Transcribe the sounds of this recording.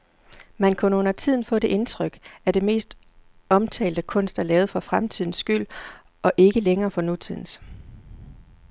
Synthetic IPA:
mænkʰunəɔ̽n̰ɐt͡sʰið̞̰ˠn̩fɔ̰̽ːd̥e̝ʔe̝nt͡sʰʁœɡ̥æɐd̥e̝me̝̰ːsd̥ | ɒ̽mt͡sʰɛ̰ːld̥əkʰɔ̽n̰sd̥ælɛːʊð̞̩ˠfɒ̽fʁamt͡sʰið̞̰ˠn̩sɡ̥yl̰ | ʔɒ̽ʔe̝ɡ̥əleŋɐːfɒ̽nut͡sʰið̞̰ˠn̩s

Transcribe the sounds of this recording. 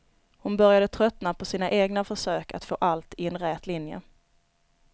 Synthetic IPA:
hʊnbœɾjad̪ət̪ʰɾœt̪napʰɔsiːnaʔeːɡnafœʂøːkʰa̰t̪fo̰ːʔalt̪ɪɛnɾɛːt̪lɪnjə̰

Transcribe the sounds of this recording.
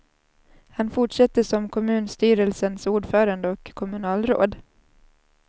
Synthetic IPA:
hanfʊʈʂɛt̪ːəʂɔmkʰɔmʉ̟ːnst̪yːɾəlsənsuːɖfœːɾand̪əɔkʰːɔmɵnɑːlɾo̰ːd̪

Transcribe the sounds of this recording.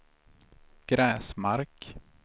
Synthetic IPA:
ɡ̥ɾɛːsmaɾk

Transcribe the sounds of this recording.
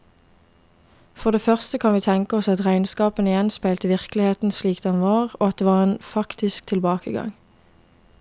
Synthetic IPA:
fɔʁd̪eːfœʁst̪əkʰɑnʋiːt̪ʰɛŋkəɔsɑt̪ʁæɪnskɑːpənɪjɛnspæɪlt̪əʋɪʁklɪheːt̪n̩sliːkd̪̥ɛnʋɑːʁoːɑt̪̚d̪eːʋɑːʁeːnfɑkt̪ɪsk̚t̪ʰɪlbɑːkəɡɑ̰ŋ

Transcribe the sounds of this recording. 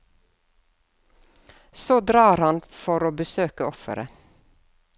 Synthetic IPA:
soːd̪ɾɑːɾhɑnfɔɾoːbəsøːkəɔfə̰ɾə̰

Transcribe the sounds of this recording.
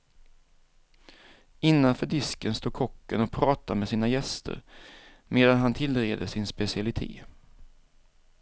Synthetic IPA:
ɪnːanfœːɖɪskənst̪oːɡ̚kʰɔkːənɔpʰɾɑːt̪amɛsiːnajɛst̪ʰə̰ɾ | meːd̪anɦant̪ʰɪlːɾeːd̪əsɪnspɛsɪalɪt̪ʰḛː

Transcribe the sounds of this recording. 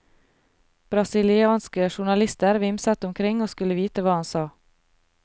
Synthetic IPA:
b̥ɾɑsɪlɪɑːnskəʃʊɳɑlɪst̪əɾʋɪmsɑt̪ʊmkʰɾɪŋoːskʉləʋiːt̪əʋɑːhɑnsɑː

